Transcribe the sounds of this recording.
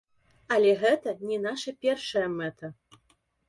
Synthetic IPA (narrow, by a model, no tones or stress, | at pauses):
ɐlʲɛɣɛt̪ɐnʲɛnaʂɐpʲɛrʂɐjɐmɛt̪ʰɐ